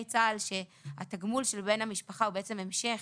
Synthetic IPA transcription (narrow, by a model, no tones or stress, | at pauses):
jt͡salʃe̞ha̰t̪aɡmulʃelbe̞namiʃpaχaubeet͡se̞me̞mʃe̞χ